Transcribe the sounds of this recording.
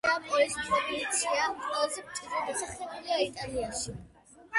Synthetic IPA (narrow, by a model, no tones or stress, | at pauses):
ampʼɔlismʰɛbit͡ʃʰiaqʼwɛlazɛpt̪sʼidad̪asaχlɛbuliait̪ʼaliaʃi